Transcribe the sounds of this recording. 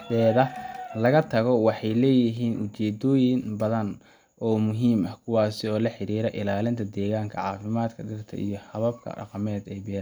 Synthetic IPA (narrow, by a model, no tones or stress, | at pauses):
bɛːðɐlɐɣɐt̪ʰɐɣɔwɑħɑjlɛːjɪɦiːnʔʊt͡ʃɛːd̪ɔːjɪnbɐðɐn | ʔɔːmʊɦiːmɐhkʰʊwɑːsɪɔːlɐħɪɾiːɾɛʔɪlaːlɪnt̪ʰɐd̪ɛːɣaːŋkʰɐʕɑːfɪmaːd̪kʰɐɖɪrt̪ʰɐ̰ʔḭjɞhɐβɐb̚kʰɐ̰ɖɑ̰qɑmɛːd̪ɛjbɛː